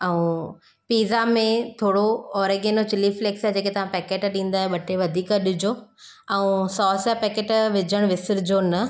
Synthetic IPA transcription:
ɐũ | piːzamẽt̪ʰoːɽoɔːɾeɡeːnot͡ɕɪlifleːksɛɦd͡ʑeːket̪ɐʋ̤ãpɛːkeːʈɗĩːn̆d̪aːɦɓɐʈʰeʋɐd̪ʱiːkəɗʊd͡ʑoɛũsɔːsapɛːkeːʈʋɪd͡ʑʱəɽ̃ʋɪsɪɾd͡ʑonɐ

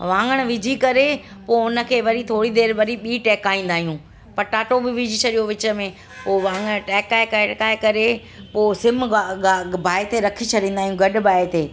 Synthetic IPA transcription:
ʋãːŋɡəɽ̃ʋɪd͡ʑʱikɐɾe | poːʊnə̆kʰeːʋɐɾit̪ʰoːɽid̪eːɾʋɐɾiɓiːʈɛːkaːĩːn̆d̪aːɦijũ | pɐɾʈaːʈobɪʋɪd͡ʑʱit͡ɕʰɐɗijoʋɪt͡ɕə̆mẽ | poːʋãːŋɡəɽ̃ʈɛːkaːekakaːekɐɾe | poːsɪm | bʱaːet̪eɾɐkʰit͡ɕʰɐɗĩːnd̪aːɦijũɡɐɗbʱaːet̪eː

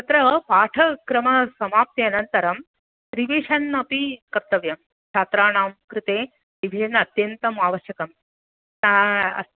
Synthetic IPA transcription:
t̪ɐt̪ɾɐpaːʈʰɐkɾɐmɐsɐmaːp̚t̪jɐnɐnt̪ɐɾɐm | ɾiʋiʂɐnːɐpikɐɾt̪ɐʋjɐm | t͡ʃʰaːt̪ɾaːɳaːmkɾɨt̪eː | ɾiʋiʃɐnɐt̪jɐnt̪ɐmaːʋɐʃjɐkɐm

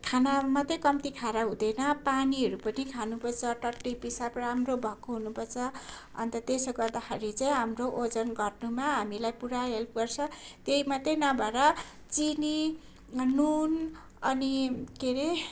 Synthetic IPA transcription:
kʰanamat̪ejkʌmt̪ikʰaɾaɦũd̪ʌjnʌpaniɦʌɾupʌnikʰanupʰʌrt͡sʰʌʈʌʈːipisapramrobʱʌkoɦunupʰʌrt͡sʰʌ | ʌ̰nt̪ʌt̪esoɡʌrd̪axeɾit͡saĩɦamroʔod͡zʌnɡʌrnumaɦamilajpuɾaɦelp̚ɡʌrt͡sʰʌt̪eimat̪ʌjnʌbʱʌɾʌ | t͡sini | nun | ʌnikeɾe

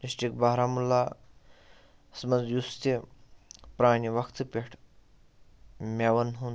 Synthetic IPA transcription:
disʈɾikbaːɾaːmulːaː | smɐnzjust̪e | pɾaːɳiʋɐkʰt̪ʰɨpʲeʈʰ | mʲeʋɐnɦun

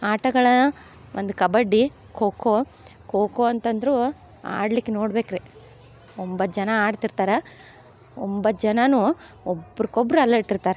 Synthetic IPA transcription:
aːʈɐɡɐɭɐ | ʔond̪ukɐbɐɖːi | kʰoːko | koːkoɐnt̪ɐnd̪ɐɾu | a̰ːɽlikːenoːɽbe̞ːkɾe | ombɐd͡ʒɐnɐaːɖt̪iɾt̪aːɾɐ | ombɐd͡ʒɐnɐnu | obɾikobɾuɐlːɐiɽt̪iɾt̪aːɾɐ

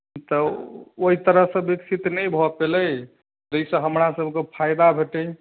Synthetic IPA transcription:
t̪əoɦit̪əɾəɦsə̃biksʰit̪nəjbʱɔpeləj | d͡ʒəjsə̃ɦəmɾasəbʱkepʰajd̪abʱeʈə

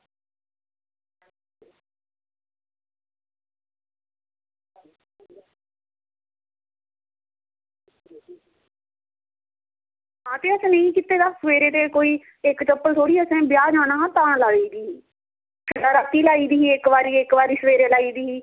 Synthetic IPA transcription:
ɦãːt̪eːəsẽːnəĩːkɪt̪eːd̪aːsəʋeːɾeːt̪eːkoːiː | ɪkt͡ʃəpːəlt̪ʰoːɽiːəsẽːbɪjaːd͡ʒãːnãːɦãːt̪ãːlaːiːd̪iːiː | kʰəʈaːɾaːt̪iːlaːiːd̪iːiːekʋaːɾiːekʋaːɾiːsəʋeːɾeːlaːiːd̪iːiː

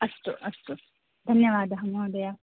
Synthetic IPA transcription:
ɐst̪uʔɐst̪u | d̪ʱɐnjɐʋaːd̪ɐɦɐmoːd̪ɐjɐ

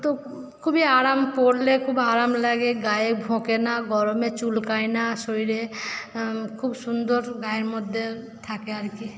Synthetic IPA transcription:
t̪o | kʰubʱiaːɾaːmpoːɽlekʰubaːɾaːmləɡeɡaːjebʱõːkenaɡʱɔɾõmẽt͡ʃulkaːinasoiɾe | kʰubsʊnd̪əɾɡaːjemʊd̪ʱje | t̪ʰaːkeaɾki

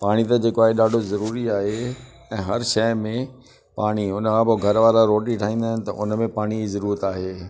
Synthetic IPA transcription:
paːɽ̃it̪ɐd͡ʑeːkoaːɦeɗaːɖʱozɐɾuːɾiaːɦe | ɛ̃ːɦɐɾʃɐjmẽ | paːɽ̃iʊnəkʰãpoɡʱɐɾʋaːɾaɾoːʈiʈʰaːɦĩːn̆d̪aːɦɪnɪ̆t̪ɐ̰ʔʊ̰nmẽpaːɽ̃izɐɾuːɾət̪aːɦeː

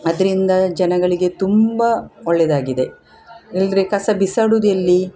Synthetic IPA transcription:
ɐd̪ɐɾind̪ɐd͡ʒɐnɐɡɐɭiɡe̞t̪umbɐɔɭːɛd̪aːɡid̪e̞ | ilɾekɐsɐbisɐɽud̪ijɐlːi

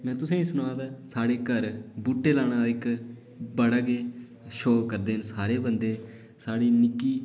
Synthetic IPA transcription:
mɛ̃ːt̪ʊsẽːĩːsʊnʋãːt̪aːsaːɽeːkəɾbuːʈːeːlaːɽ̃ãːɪk | bəɽaːɡeː | ʃoːkəɾd̪eːnsaːɾeːbənd̪eː | saːɽiːnɪkːiː

